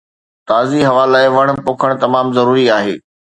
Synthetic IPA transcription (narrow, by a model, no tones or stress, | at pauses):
t̪aːziɦɐʋaːlaːɪʋɐɽ̃ʊ̆poːkʰəɽ̃t̪ɐmaːmzɐɾuːɾiaːɦeː